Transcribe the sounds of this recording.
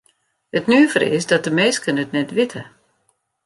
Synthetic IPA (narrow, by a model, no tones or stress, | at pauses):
ətnyəvərɪ̰sdɔt̚dəmeːskənətnɛtʋɪtʰə